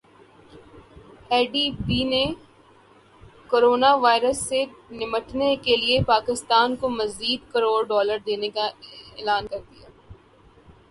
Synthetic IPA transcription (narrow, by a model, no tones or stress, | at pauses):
ɛːɖibiːne | koːɾoːnaʋaːɪɾəsːenɪməʈnekeliepaːkɪst̪aːnkomɐziːd̪kɐɾoːɾɖɔːləɾd̪eːnekaeːlaːnkɐɾd̪ijaː